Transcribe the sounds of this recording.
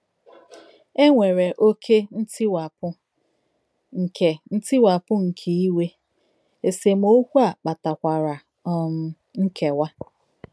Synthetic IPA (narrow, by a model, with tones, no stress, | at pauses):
e˦ŋʷe˨ɾe˨ʔo˦kʰe˦n̩˦tɪ˦wa˨pʊ˦ | ŋ̩˨ke˨n̩˦tɪ˦wa˨pʊ˦ŋ̩˨kʰe˨i˦we˦ | e˨se˨m̩˦o˦kʷu˦a˨k͡pa˨ta˨kʷa˨ɾa˨˦˨ | m˨ | ŋ̩˦kʰe˨wa˦